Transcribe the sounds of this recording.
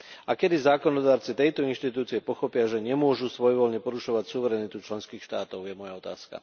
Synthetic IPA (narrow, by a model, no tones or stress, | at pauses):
ʔakɛd̪izaːkɔnɔd̪aːɾt͡sit̪ɛjt̪ɔinʃt̪it̪uːt͡siɛpɔxɔpɪaʒɛɲɛmʊɔʒusʋɔjʋɔlɲɛpɔɾuʃɔʋacsuʋɛɾɛnit̪ut͡ʃlɛnskiːxʃt̪aːt̪ɔʊjɛmɔjaɔt̪a̰ːska̰